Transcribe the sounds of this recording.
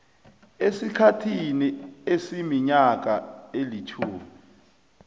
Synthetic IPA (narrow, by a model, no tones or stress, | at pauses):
esikʰatʰiniesimiɲak̬ʼaelitʰuːmi